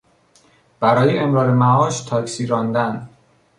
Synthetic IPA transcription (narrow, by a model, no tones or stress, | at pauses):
b̥æɾɒːjeemɾɒːɾemæɒːʃt̪ʰɒːkʰsiɾɒːnd̪æn